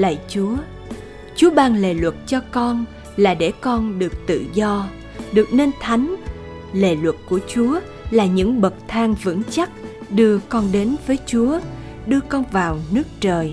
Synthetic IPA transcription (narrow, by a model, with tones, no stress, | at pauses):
lə̰˧˨jt͡ɕu˨˦ə | t͡ɕu˨˦əɓaː˨˧˩nle˨˩lwə˨˩t̚t͡ɕɔ˧kɔ˧n | laː˨˩ɗe˧˩kɔ˧nɗɨ˨˩ək̚t̪ɨ̰˧˨zɔ˧ | ɗɨ˨˩ək̚ne˧nt̪ʰa˨˦jŋ̟ | le˨˩lwə˨˩t̚ku˧˩ət͡ɕu˨˦ə | laː˨˩ɲɨ̰˧˥ŋɓə˨˩t̚t̪ʰaː˧ŋvɨ̰˧˥ŋt͡ɕa˦˥t̚ɗɨ˧əkɔ˧nɗe˨˦nvəː˨˦jt͡ɕu˨˦ə | ɗɨ˧əkɔ˧nvaː˨˩wnɨ˦˥ək̚t͡ɕəː˨˩j